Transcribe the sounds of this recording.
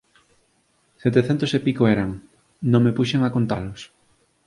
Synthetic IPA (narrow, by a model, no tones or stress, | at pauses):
set̪eθɛnt̪osepikoɛɾaŋ | nõŋmepuʃeŋakont̪alos